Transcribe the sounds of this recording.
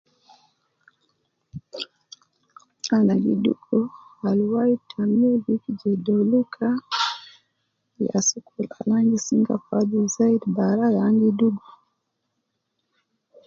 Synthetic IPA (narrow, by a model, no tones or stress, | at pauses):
anaɡḭɗṵkʰɔalwaitʰamuvikd͡ʒɛdɔlukʰa | ja̰sukula̰laŋɡisiŋɡa̰faduzaidbaɾalaŋɡiduɡɔ